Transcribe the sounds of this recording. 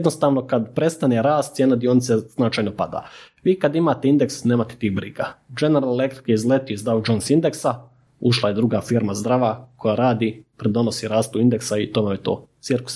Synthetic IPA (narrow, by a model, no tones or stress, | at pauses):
ed̪nost̪aːʋno̞kad̪pɾe̞st̪aneɾaːst̪sjeːnad̪ionit̪sez̥nat͡ʃajnopad̪a̰ːʋiːkad̪imaːt̪eind̪eksneːmat̪e̥t̪iːɣbɾiɡad͡ʒe̞neɾalelek̚t̪ɾi̥keizlet̪ijuizd̪ɾaʋd͡ʒonsind̪eksa | uʃlˠajed̪ɾuɡaːfiɾmazd̪ɾaʋako̞jaɾaːd̪ipɾed̪o̞no̞siɾaːst̪uind̪eksait̪omamet̪oːt̪siɾku̥s